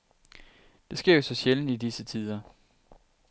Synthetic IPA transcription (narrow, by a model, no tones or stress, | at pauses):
d̥e̝sɡ̥e̝ɐ̰o̝sɒ̽ɕeln̩idisət͡sʰið̞ˠɐ